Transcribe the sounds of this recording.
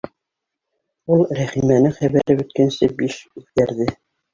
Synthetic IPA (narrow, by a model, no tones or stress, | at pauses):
ulˠɾæχimænɘŋχæβæɾɘbɵ̆t̪̚kænsɘbiʃʉθkæɾðɘ